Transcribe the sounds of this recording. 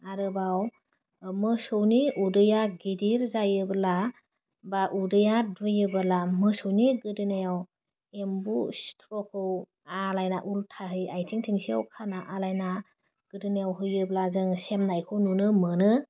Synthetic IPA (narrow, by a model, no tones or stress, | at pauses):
aɾɯbaw | mɯsɯwniudɯjaɡidiɾzajɯbala | baʔudɯjadɯjɯbɯlamɯsɯwniɡɯdɯnajaw | embustʰɾɔkʰɯw | alajnaʔultʰaɦɯjajtʰiŋtʰiŋsia̰wkʰanaʔalajna | ɡ̥ɯdɯnejawɦɯjɯblazɯŋsemnajkʰɯwnunɯmɯnɯ